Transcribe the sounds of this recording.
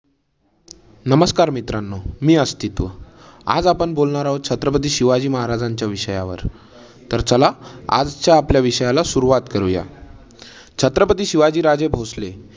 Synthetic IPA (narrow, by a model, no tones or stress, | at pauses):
nəməskaɾmit̪ɾanːomiːəst̪it̪ʋə̰ | a̰d͡zapəɳbolɳaɾaɦot͡ɕʰət̪ɾəp̬ət̪̬iːɕiʋad͡ʑiːməɦaɾad͡zaɲt͡ɕjaʋiɕəjaʋə̰ɾ | t̪əɾt͡səlaa̰d͡zt͡ɕjaːpljaʋiɕəjalasuɾuʋat̪kəɾuja̰ | t͡ɕʰət̪ɾəpət̪̬iːɕiʋad͡ʑiːɾad͡zebʱosle